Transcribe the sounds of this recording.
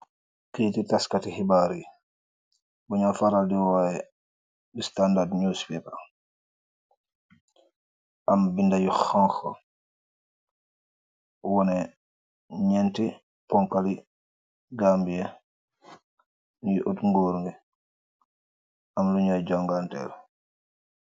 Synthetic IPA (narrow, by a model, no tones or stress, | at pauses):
kititaskatihibaɾi | buɲafaɾaldiwɔjɛ | bistandadɲuspɛpa | ʔambindajuxɔŋxɔ̰ | wɔnɛ | ɲɛnti | pɔŋkali | ɡambijɛ | nijʔotŋɡoːɾuŋɡɛ | ʔamluɲad͡ʒɔŋɡantɛ̰ɾ